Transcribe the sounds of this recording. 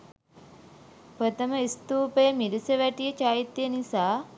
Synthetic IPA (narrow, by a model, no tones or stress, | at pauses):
pɾət̪əməist̪uːpəjəmiɾisəʋæʈijət͡ʃaːjit̪ːjənisaː